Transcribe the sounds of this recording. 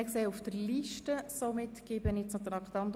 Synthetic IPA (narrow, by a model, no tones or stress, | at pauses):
ɛkseːufd̥̪əɾliʃtəsomɪt̪kɪbənɪt͡snɔt̪əɾɑkt̪ɑnt̪